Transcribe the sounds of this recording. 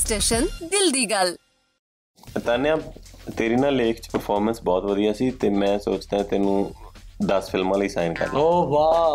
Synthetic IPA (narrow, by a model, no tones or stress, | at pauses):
sʈeːʃənd̪ɪld̪iːɡəl | t̪aːnẽãːt̪eːɾiːnãːleːkʰt͡ʃpəɾpʰɔːɾmənsbɔːt̪ʋəd̪ijaːsiːt̪eːmɛ̃ːsoːt͡ʃd̪ãːt̪eːnũːd̪əsfʰɪlmãːləiːsa̰ːɪnkə̰ɾd̪̰oːʋaː